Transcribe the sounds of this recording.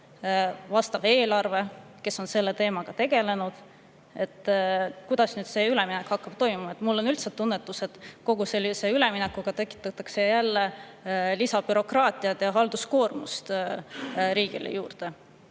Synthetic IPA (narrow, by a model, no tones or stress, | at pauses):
vɑst̪ɑve̞ːlɑrve̞ke̞sːo̞nse̞lːe̞t̪e̞ːmɑɡ̥ɑt̪e̞ɡ̥e̞le̞nud̪̥ | e̞t̪ːkujd̪̥ɑsnyːd̪̥se̞ːylɛminɛkhɑkːɑb̥̚t̪o̞jmumɑet̪ːˑmulːo̞nylt̪set̪ːunːet̪ːˑuse̞t̪ko̞ɡ̥use̞lːise̞yle̞minɛkːuɡ̥ɑt̪e̞kːˑi̥t̪ːˑɑt̪ːˑɑkse̞jælːe̞lisɑb̥yɾo̞krɑːt̪ˑiɑt̪jɑɦɑld̪̥usko̞ːrmust̪ | ɾiːɡ̥ḭlḛjuːrd̪̥e̞